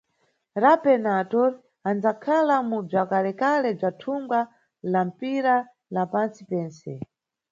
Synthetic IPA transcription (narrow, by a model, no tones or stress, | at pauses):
ɾapɛnatɔɾ | and͡zakʰalamub͡ʐakalɛkalɛb͡ʐatʰuŋɡa | lam̩piɾa | lapant͡sipɛːnsɛ